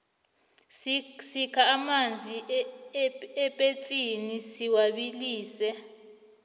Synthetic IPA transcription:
sikʰaːmand͡zʱi | ɛpʼet͡sʼinisiwaɓiliːsɛ

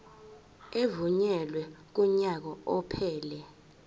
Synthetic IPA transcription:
evuɲɛlwɛk̬uɲak̬ɔɔpʰɛːlɛ

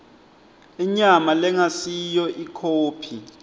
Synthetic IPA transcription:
iɲamalɛŋasijɔʔikʰoːpʰi

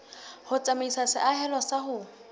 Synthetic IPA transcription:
hʊt͡sʼameisasɪʔaɦɛlwasaɦʊ

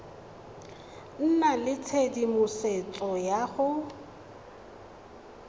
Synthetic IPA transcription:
n̩nalɪt͡sʰedimʊset͡sʼɔjaɣʊ

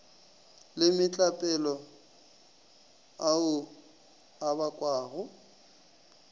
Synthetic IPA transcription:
lɪmɪt͡ɬʼapʼɛlɔ | aʊ | abakʼwaːɣʊ

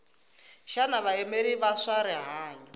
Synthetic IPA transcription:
ʃanaβaemeɾiβasaɾɛɦaːɲɔ

